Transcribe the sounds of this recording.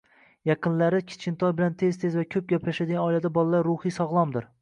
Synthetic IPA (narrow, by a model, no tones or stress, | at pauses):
jɑqɨnlaɾɪkʲʰɪ̥t͡ʃʰɪnt̪ʰɒjbɪlant̪ʰezt̪ʰezvakʲʰɵp̚ɡʲaplaʃad̪ɪɡʲanɒjlad̪abɒlˠalaɾːʊhɨjsɒʁlˠɒmd̪ɪɾ